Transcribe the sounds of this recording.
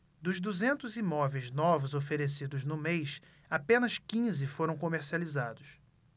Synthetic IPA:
d̪ʊzd̪uzẽnt̪ʊzimɔvejznɔvʊzofeɾesid̪ʊznʊmejʃ | apẽnɐʃkĩzɪfoɾɐ̃w̃komeɾsializad̪ʊs

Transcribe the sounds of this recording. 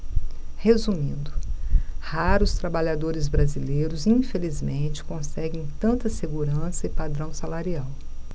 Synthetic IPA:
hezumĩnd̪ʊhaɾʊst̪ɾabaʎad̪oɾɪzbɾazilejɾʊzĩfelizmẽnt͡ʃɪ̥kõsɛɡẽj̃t̪ɐ̃nt̪ɐseɡuɾɐ̃sɐɪpad̪ɾɐ̃w̃salaɾiaw

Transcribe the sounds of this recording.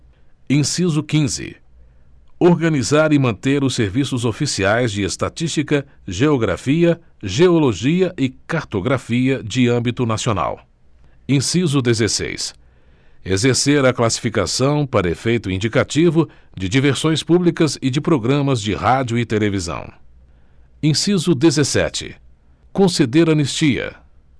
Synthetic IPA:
ẽsizʊkĩzɪ̰ | oɾɡɐ̃nizaɾɪmɐ̃nt̪eɾʊseɾvisʊzofisiajzd͡ʒɪest̪at͡ʃist͡ʃikɐ | ʒeoɡɾa̰fiɐ | ʒeoloʒiɐʔɪkaɾt̪oɡɾafiɐd͡ʒɪɐ̃bit̪ʊnasiona̰w | ẽsizʊd̪ezesḛjs | ezeɾseɾɐklasi̥fikasɐ̃w̃paɾɐefejt̪ʊĩd͡ʒikat͡ʃivʊd͡ʒɪd͡ʒiveɾsõj̃spublikɐzɪd͡ʒɪpɾoɡɾɐ̃mɐzd͡ʒɪhad͡ʒʊɪt̪elevizɐ̰̃w̃ | ẽsizʊd̪ezesɛ̰t͡ʃɪ̰ | kõsed̪eɾɐ̃nist͡ʃiɐ̰

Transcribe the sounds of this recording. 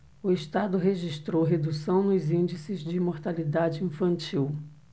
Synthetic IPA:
ʊiʃt̪ad̪ʊɦeʒiʃt̪ɾowɦed̪usɐ̃w̃nʊzĩnd͡ʒisɪzd͡ʒɪimoɾt̪alid̪ad͡ʒɪĩfɐ̃nt͡ʃiw

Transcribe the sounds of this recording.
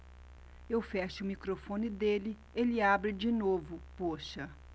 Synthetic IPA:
ewfɛʃɪʊmikɾofõnɪd̪elɪ | elɪabɾɪd͡ʒinovʊpoʃɐ

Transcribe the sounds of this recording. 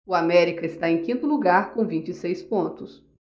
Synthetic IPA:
ʊamɛɾikɐɪst̪aẽj̃kĩnt̪ʊluɡaɾkõw̃vĩnt͡ʃɪsejspõnt̪ʊs

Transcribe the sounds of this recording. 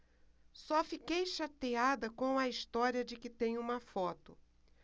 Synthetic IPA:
sɔfikejʃat̪ead̪ɐkõw̃ɐist̪ɔɾiɐd͡ʒɪkɪt̪ẽj̃ũmɐfɔt̪ʊ

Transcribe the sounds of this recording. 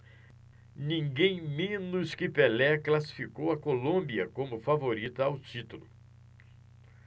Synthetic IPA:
nĩŋɡẽj̃mẽnʊskɪpelɛklasi̥fikowɐkolõbiɐkõmʊfavoɾit̪ɐawt͡ʃit̪ulʊ

